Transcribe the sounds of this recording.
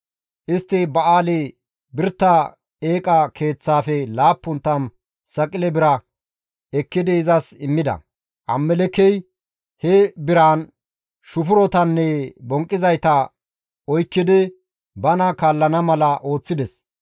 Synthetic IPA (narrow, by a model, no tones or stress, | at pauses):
ʔɪst̪ːɪbɐʔaːlɛ | bɪɾt̪ːɐ | eːkʼɐkʰe̞ːt͡sːaːfɛlaːpːʊnt̪ːɐn | sɐkʼɪlɛbɪɾɐ | ɛkːɪd̪ɪɪzɐsɪmːɪd̪ɐ̰ | ʔɐ̰mːɛlɛkːɛj | hɛbɪɾan | ʃʊfʊɾɔt̪ɐnːɛbɔŋkʼːɪzɐjt̪ɐ | ɔjkːɪd̪ɪ | bɐnɐkaːlːɐnɐmɐlɐʔo̞ːt͡sːɪd̪ɛs